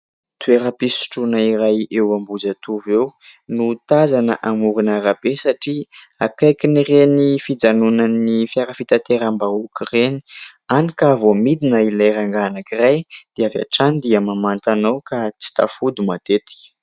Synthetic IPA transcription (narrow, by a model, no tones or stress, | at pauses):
t̪ueɾəpisu̥ʈ͡ʂunaiɾajewambud͡zat̪uvewnut̪azanəʔamuɾunaɾabesaʈ͡ʂi | akajkinirenifid͡zanunanifjaɾəfit̪at̪eɾambaukireni̥anikavomid̪inailajɾaŋɡanakirajd̪̥eava̰ʈ͡ʂanid̪iamamant̪anawkat͡si̥t̪a̰fud̪umat̪et̪i̥